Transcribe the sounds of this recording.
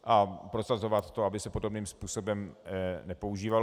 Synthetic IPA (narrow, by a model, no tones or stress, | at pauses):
ʔapɾo̞sazovat̪ːo̞abɪsɛpo̞dobniːmspuːso̞bɛmnɛpo̞uʒiːval